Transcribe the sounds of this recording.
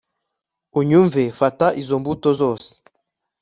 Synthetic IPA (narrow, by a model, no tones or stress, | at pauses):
uɲuɱvefataʔizombutozɔse̥